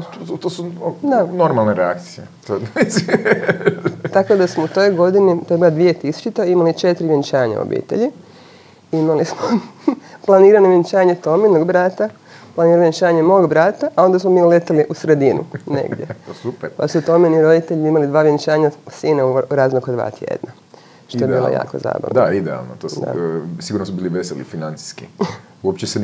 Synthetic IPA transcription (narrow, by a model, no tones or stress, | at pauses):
t̪oːsud̪anoɾmalˠneɾea̰kt̪sijet̪oisi | t̪ako̞d̪asmout̪o̞jɡo̞d̪inipeɾɡad̪ʋijet̪isu̥t͡ʃit̪eimalit͡ʃet̪ɾiʋjent͡ʃaːɲa̰o̰bḭːt̪ḛʎi | imalismoplˠaniːɾanoʋjeɲt͡ʃaːɲe̞t̪ominoɡbɾaːt̪a | plˠaniːɾanojent͡ʃaːɲemo̞ːɡbɾat̪aʔao̞nd̪asmomiolet̪eliʔusɾed̪inṵnḛɡdʲjesupeɾpa̰sut̪ominiɾo̞d̪it̪eʎiimalid̪ʋaːʋjent͡ʃaːɲasiːnauɾaːznokod̪ʋa̰ːt̪jḛd̪̥na | ʃt̪oeiːlˠo̰ja̰ːko̰za̰ːba̰ʋnd̪aid̪ea̰lˠnot̪oːsd̪a̰siɡuɾnosubiːliʋeselḭfinant̪si̥skḭ | uopt͡ɕese